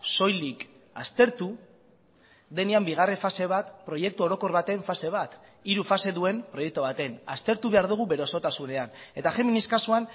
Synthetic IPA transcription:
so̞jlik | a̰st̪e̞ɾt̪u | ðe̞niambiɣ̞are̞fase̞β̞at̪pɾo̞je̞k̚t̪uo̞ɾo̞ko̞ɾβat̪e̞ɱfase̞β̞at̪iɾufase̞ðue̞mpɾo̞je̞k̚t̪oβ̞at̪e̞nast̪e̞ɾt̪uβe̞aɾðuɣ̞uβe̞ɾeoso̞t̪asune̞ane̞t̪axe̞miniskasuan

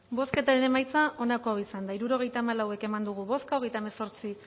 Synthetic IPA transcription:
bo̞ske̞t̪aɾe̞ne̞majt͡saʔo̞nako̞aisand̪aiɾuɾo̞ɣ̞e̞jt̪aːmalawe̞ke̞mand̪uɣ̞uβo̞skaoɣjt̪aemeso̞ɾt͡si

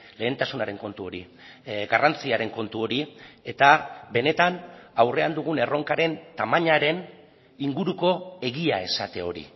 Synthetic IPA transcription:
le̞ːnt̪asunaɾe̞ŋko̞nt̪uo̞ɾi | ɡarant͡siaɾe̞ŋko̞nt̪uo̞ɾie̞t̪abe̞ne̞t̪anawre̞and̪uɣ̞une̞ro̞ŋkaɾe̞nt̪amaɲaɾe̞n | iŋɡuɾuko̞e̞ɣiae̞sat̪e̞o̞ɾḭ

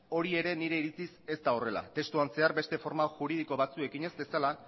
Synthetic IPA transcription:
o̞ɾie̞ɾe̞niɾe̞iɾit͡sise̞st̪ao̞re̞la̰t̪e̞st̪uanse̞aɾbe̞st̪e̞fo̞ɾmaʝuɾið̞iko̞βat͡sue̞kiɲe̞zbe̞sala

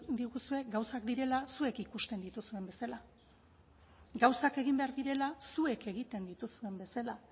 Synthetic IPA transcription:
d̪iɣusue̞ɡawsakd̪iɾe̞lasue̞kikust̪e̞nd̪it̪usue̞mbe̞sala | ɡawsake̞ɣimbe̞aɾðiɾe̞lasue̞ke̞ɣ̞it̪e̞nd̪it̪usue̞mbe̞sala

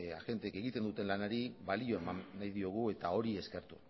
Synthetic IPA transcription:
a̰ʝe̞nt̪eːke̞ɣit̪e̞nd̪ut̪e̞nlanaɾiβalio̞e̞manːajðio̞ɣ̞ue̞t̪ao̞ɾie̞ske̞ɾt̪u̥

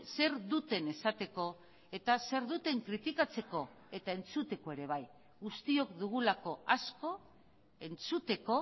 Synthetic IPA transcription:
se̞ɾd̪ut̪e̞ne̞sat̪e̞ko̞ | e̞t̪ase̞ɾðut̪e̞ŋkɾit̪ikat͡se̞ko̞ | e̞t̪ae̞nt͡sut̪e̞ko̞e̞ɾe̞β̞aj | ɣust̪io̞kd̪uɣ̞ulako̞asko̞ | e̞nt͡sut̪e̞ko̞

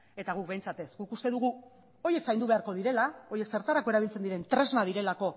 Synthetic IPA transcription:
e̞t̪aɣuk̚bejnt͡sat̪e̞sɡukust̪e̞ðuɣ̞u | o̞je̞ksajnd̪uβe̞aɾko̞ð̞iɾe̞lao̞je̞kse̞ɾt̪aɾakoeɾaβilt͡send̪iɾe̞nt̪ɾe̞znað̞iɾe̞lako̞

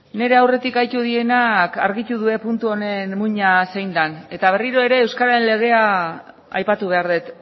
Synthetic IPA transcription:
ne̞ɾe̞awre̞t̪ikajt̪uð̞ie̞nakaɾɣit̪uðue̞punt̪uo̞ne̞nmuɲase̞jnd̪ane̞t̪aβ̞e̞riɾo̞e̞ɾe̞ːwskaɾaɾenle̞ɣ̞e̞a | a̰jpat̪uβ̞e̞aɾðet̪

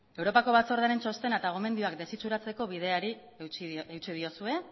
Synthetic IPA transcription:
e̞wɾo̞pako̞βat͡so̞ɾðaɾe̞nt͡ʃo̞st̪e̞nat̪aɣ̞o̞me̞nd̪ioak̚d̪e̞sit͡ʃuɾat͡se̞ko̞βiðe̞aɾi | ewt͡sið̞io̞sue̞

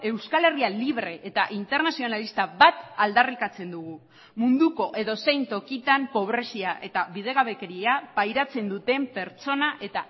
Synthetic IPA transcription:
e̞wskale̞rialiβ̞ɾe̞ʔet̪aʔint̪e̞ɾnasio̞nalist̪aβat̪ald̪arikat͡se̞nd̪uɣu | mund̪uko̞ʔe̞ðo̞se̞jnt̪o̞kit̪ampo̞β̞ɾe̞siaʔe̞t̪aβiðe̞ɣaβe̞keɾiapajɾat͡se̞nd̪ut̪e̞mpe̞ɾt͡so̞naʔe̞t̪a

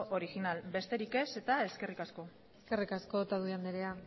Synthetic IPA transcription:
ʔoɾixinalbe̞st̪e̞ɾike̞se̞t̪ae̞ske̞rikasko̞ | ske̞rikasko̞t̪aðuand̪eɾea

